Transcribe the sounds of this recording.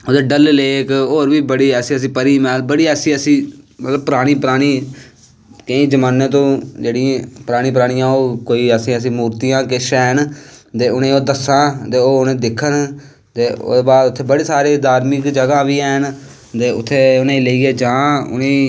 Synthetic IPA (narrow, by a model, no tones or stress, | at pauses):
oːd̪eːɖəlleːkoːɾbiːbəɽiːɛːsĩːəs̬ĩːpəɾiːmɛːlbəɽiːɛːsiːəsĩːmət̪ləb̚pəɾaːɽ̃iːpəɾaːɽ̃iː | kəĩːd͡ʒəmaːnːeːt̪õːd͡ʒeːɽĩpəɾaːɽ̃ĩːp̬əɾaːɽ̃ɪjãːoːkoːiːəsĩːəs̬ĩːmuːɾt̪ijãːkɪʃɛːnt̪eːʊnẽːoːd̪əsãːt̪eːoːʊnẽːd̪ɪkʰːən | t̪eːo̰ːeːbaːd̪ʊt̪ʰːeːbəɽeːsaːɾeːd̪aːɾmɪkd͡ʒəɡãːʋiːɛːn | t̪eːʊt̪ʰːeːʊnẽːləiːɛːd͡ʒãːʊ̰nẽː